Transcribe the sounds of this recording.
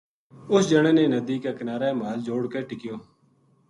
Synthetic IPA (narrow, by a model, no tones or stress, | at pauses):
ʊsd͡ʒəɽ̃eːneːnəd̪iːkeːkənaːɾeːmaːld͡ʒoːɽkeːʈɪkɪjoː